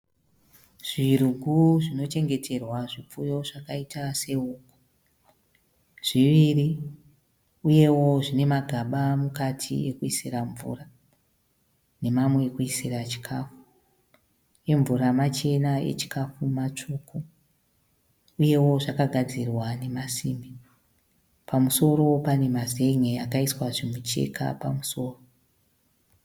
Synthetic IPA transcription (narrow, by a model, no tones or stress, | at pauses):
ʐ̥iruɡʱuʐino̞t͡ʃe̞ŋɡe̞tʰe̞rwaʐip͡fujo̞ʐakaitʰase̞uːko̥ | ʐ̥iʋiri | uje̞wo̞ʐine̞maɡʱaɓamukatʰḭekuisiraɱvṵra | ne̞mamweːkuisirat͡ʃi̥kʰafu̥ | e̞ɱvuɾamat͡ʃe̞naḛt͡ʃi̥kafumat͡ʂuku | uje̞wo̞ʐakaɡʱad͡zirwane̞masime | pamuso̞ɾo̞pane̞maze̞ŋeakaiswaʐimut͡ʃe̞̰kʰa̰pa̰muso̞ːro